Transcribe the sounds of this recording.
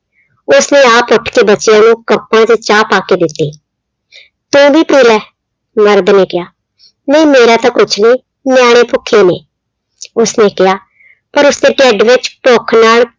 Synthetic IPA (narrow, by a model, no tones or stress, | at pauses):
ʊsneːaːpʊʈʰkeːbətːt͡ʃɪjãːnũːkəpːãːd͡ʒ̪et͡ʃaːpaːkeːd̪ɪt̪ːiː | t̪ũːʋiːpiːlɛː | məɾd̪neːkɪjaː | nə̃ĩːmeːɾaːt̪ãkʊt͡ʃʰniː | nɪjaːɽ̃eːpʰʊkʰːeːneː | ʊsneːkɪjaː | pəɾʊsd̪ẽːʈɛːɖʋɪt͡ʃpoːkʰnaːl